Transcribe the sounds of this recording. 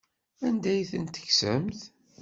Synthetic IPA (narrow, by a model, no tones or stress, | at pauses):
ænd̪æjθənt̪ːə̥çsəmθ